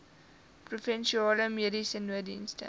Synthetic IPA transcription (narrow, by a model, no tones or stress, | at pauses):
profɛnʃiɑːləmeɾisənːuədḭnstə̰